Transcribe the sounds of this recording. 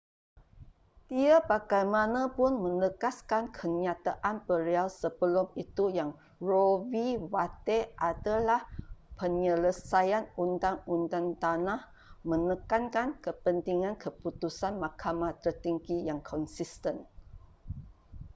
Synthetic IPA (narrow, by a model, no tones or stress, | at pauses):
diapaɡajmanapʊnmə̃nəkaskankʰəɲãt̪aʔanpəɾealsəbəlumit̪ujaŋ | rowiwat̪eʔad̪alahpəɲələsajanunt̪aŋunt̪ant̪anah | mə̃nəkankankəpənt̪iŋãnkʰəput̪usanmakʰamat̪ərt̪iŋɡijaŋkʰɔnsist̪ən